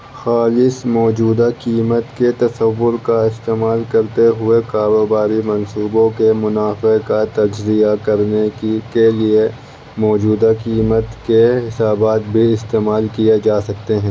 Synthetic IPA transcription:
xaːlɪsmɔːd͡ʒuːd̪akiːmət̪ket̪ɐsəʋːʊɾkaɪst̪eːmaːlkɐɾt̪eɦʊekaːɾoːbaːɾimɐnsuːbõkemʊnaːfekat̪ɐd͡ʒzijakɐɾnekelie | mɔːd͡ʒuːd̪akiːmət̪keɦɪsaːbaːt̪̚bʱiɪst̪eːmaːlkijed͡ʒaːsɐk̚t̪eɦɛ̃ː

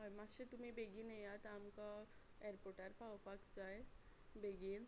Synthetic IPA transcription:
maɕet̪um̤ibeɡiːnejat̪amka | eeɾpoɾʈaɾpawpakd͡zajbeɡiːn

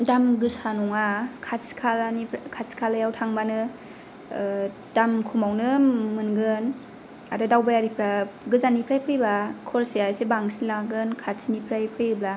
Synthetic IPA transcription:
damɡɯsanɔŋakʰasi̥kʰalanikʰasi̥kʰalajawtʰaŋbanɯ | d̥amkʰumawnɯmɯnɡɯn | adadawbajaɾipʰɾaɡɯzanipʰɾajpʰɯjbakʰolsijasebaŋsilaɡɯnkʰasʰinipʰɾajpʰɯjɯbla

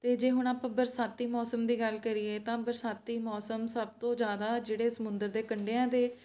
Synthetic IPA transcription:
t̪eːd͡ʒeːɦʊɳ̃aːpãːbəɾsaːt̪ːiːmɔːsəmd̪iːɡəlkəɾieːt̪ãːbəɾsaːt̪ːiːmɔːsəmsəb̚t̪õːzjaːd̪aːd͡ʒeːɽeːsəmʊ̃nd̪əɾd̪eːkəɳɖeːãːd̪eː

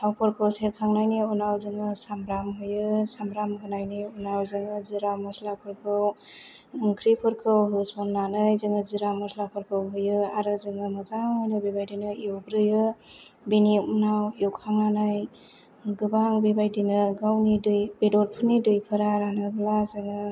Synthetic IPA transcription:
tʰawpʰɯɾkʰɯwseɾkʰaŋnajniunawzɯŋɯsambɾamɦɯjɯsambɾamɡɯnajniunawzɯŋɯziɾamɔslapʰɯɾkʰɯw | kʰɾipʰɯɾkʰɯwɦɯsɔnnanɯjzɯŋɯziɾamɔslapʰɯɾkʰɯwɦɯjɯaɾɯzɯŋɯmɯzaŋɔjnɯbibajdijnɯiwbɾɯjɯ | beniunawjowkʰaŋnanaj | ɡɯbaŋbibajdinɯɡawnidɯjbedoɾpʰɯnidɯjpʰɯɾaɾanɯblazɯŋɯ

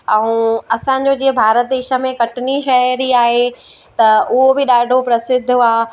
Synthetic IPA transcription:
ɛ̃ũɐsãɲ̆d͡ʑod͡ʑiːɦə̃bʱaːɾət̪̚d̪eːʃə̆mẽkɐʈɪniʃɐɦɾiaːɦe | t̪ɐʔʊɦobɪɗaːɖʱopɾɐsɪd̪ʱːʊaː

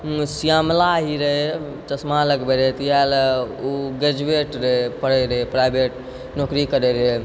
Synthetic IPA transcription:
sijaːmlaɦiɾəɦe | t͡ʃɐsmaləɡbeɾəɦet̪jaluɡed͡ʒueːʈɾeɦepəɽeɾəɦepɾajbeʈ | noːkɾikəɾeɾəɦe

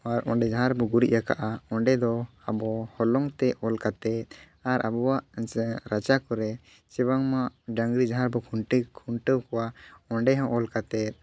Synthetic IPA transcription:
aɾɔɳɖɛd͡ʒaɦaɾbɔɡuɾḭʔ̪̚aka̰ʔaɔɳɖɛd̪ɔ | abɔhɔlɔŋt̪ɛɔlkat̪ɛt̪̚ | aɾʔa̰bɔwaʔɾat͡ʃakɔɾɛ | t͡ʃɛbaŋmaʔɖaŋɡɾid͡ʒaɦaɾbɔkʰuɳʈkʰuɳʈəwkɔwaɔɳɖɛɦɔ̃ʔɔlkat̪ɛt̪̚

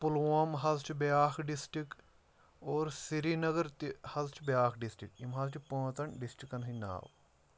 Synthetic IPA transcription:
pulamɦɐzt͡ʃʰibejaːxʰɖisʈik | oːɾsiɾinɐɡɐɾt̪hɐzt͡ʃʰbjaːkʰɖisʈɾikimɦɐlt͡ʃʰipõːt̪ɐɳɖisʈikːɐnɦina̰ːw

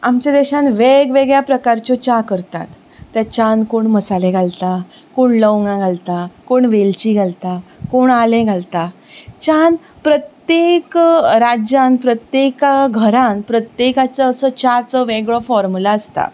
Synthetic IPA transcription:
amt͡ɕad̪ɛɕãnʋeɡʋeɡɭjapɾəkaɾt͡ɕɔt͡ɕakəɾt̪a̰t̪ː | jat͡ɕankoɳməsalẽɡʱalt̪a | koɳləwŋɡãɡʱalt̪akoɳʋelt͡ɕiɡʱalt̪akoɳalẽɡʱalt̪a | t͡ɕan | pɾət̪jekɾad͡ʑãnpɾət̪jekaɡʱəɾãnpɾət̪jekat͡səəsət͡ɕat͡səʋeɡɭɔfɔɾmulaəst̪a̰

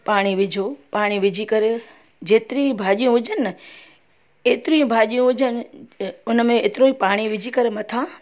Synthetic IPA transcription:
paːɽ̃iʋɪd͡ʑʱopaːɽ̃iʋɪd͡ʑʱikɐɾe | d͡ʑeːt̪ɪɾĩbʱaːʄijũʋʊd͡ʒʱən | eːt̪ɪɾiũbʱaːʄijũʋʊd͡ʑʱənɪ̆ʊnmẽeːt̪ɪɾoipaːɽ̃iʋɪd͡ʑʱikɐɾemɐt̪ʰãː

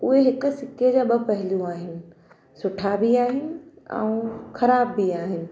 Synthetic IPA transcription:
ʊɦeɦɪkʊ̆sɪked͡ʑaːɓɐpɐɦɪ̃ljũaːɦɪnɪ̆ | sʊʈʰabiaːɦɪnɪ̆ | ɛ̰ũxɐɾaːbːiaːɦɪnɪ̆

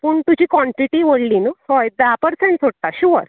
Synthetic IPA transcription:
puːɳt̪ud͡ʑiːkʋɔ̃ɳʈɾiʈiʋoɽliːnəhojd̪apəɾseɳʈsoɽt̪aɕuʋə̰ɾ

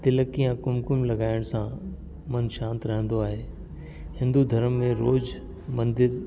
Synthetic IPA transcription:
t̪ɪləkijãkʊmkʊmlɐɡaːɪɽ̃sã | mɐnʃãːnt̪ɾɐɦə̃nd̪oaːɦeː | hɪ̃nd̪ud̪ʱɐɾəmːẽɾoːd͡ʑ | mɐ̃nd̪ɪɾ

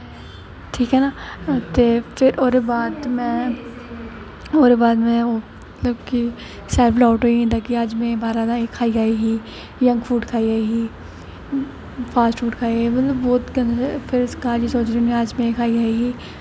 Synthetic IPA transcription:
ʈʰiːkɦɛnat̪efɪɾʔoːɾebaːd̪mɛ̃ | oːɾebaːd̪mɛ̃o | ɐt̪ləbki | sɛːbɪlaːʈoːiɦɛ̃t̪aːkiaːd͡ʒmẽbaːɾad̪ãeːkʰːaːiaːiɦi | jɐ̃ŋɡfuːʈkʰaːiaːiɦi | faːsʈfuːʈkʰaːiimɐt̪ləbːɔːt̪ɡɐnfʰɪɾsɡaːɾd͡ʒisoːt͡ʃɾinẽaːd͡ʒmẽːkʰaːiaːiɦiː

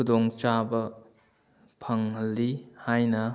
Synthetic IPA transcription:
kudɔŋt͡ʃabɐ | pʰɐŋɦɐlːihajnɐ

